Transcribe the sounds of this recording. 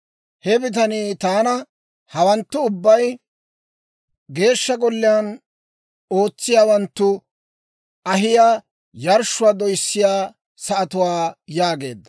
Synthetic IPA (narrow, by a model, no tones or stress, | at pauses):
hɛbɪt̪̬ɐniːt̪aːnɐ | hɐwɐnt̪ːʊʊbːɐj | ɡe̞ːʃːɐɡɔlːɪjaːn | o̞ːt͡sːɪjaːwɐnt̪ːʊ | ʔɐɦɪjaː | jɐɾʃːʊwaːd̪ɔjsːɪjaː | sɐʔɐt̪ʊwaːjaːɡe̞ːd̪ːɐ